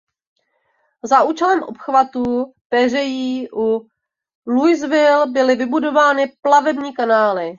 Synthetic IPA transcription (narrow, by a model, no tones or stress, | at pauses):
zaʔuːt͡ʃɛlɛmʔo̞̰pxvat̪upɛr̝ɛjiːʔu | lujzvɪlbɪlɪvɪbudo̞vaːnɪplavɛbɲiːkanaːlɪ